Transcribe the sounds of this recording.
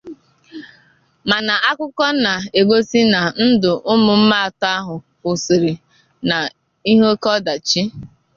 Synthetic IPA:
ma˨na˨ʔa˦kʷʊ˦kɔ˦na˨e˨ɡo˦si˦na˨n̩˦dʊ˨ʔʊ˦mʊ˨m̩˦ma˦˨ta˦ɦʊ˨ | kʊ˨sɪ˨ɾi˨ | na˨ | i˦ɦo˦kɔ˦da˨t͡ʃi˦

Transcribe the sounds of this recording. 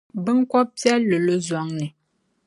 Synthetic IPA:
bə˦ŋ̩˦kɔ˦p̚pjɛ˦lə˨lə˦zwa˨˦ŋnə˨

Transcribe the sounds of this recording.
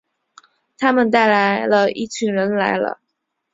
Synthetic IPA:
t̪ʰa˥mə˨nt̪a˥˩ɪla˧˥ɪlə˧i˥˩t͡ɕʰy˧˥ŋɻə˧˥nla˧˥ɪlə̰˧

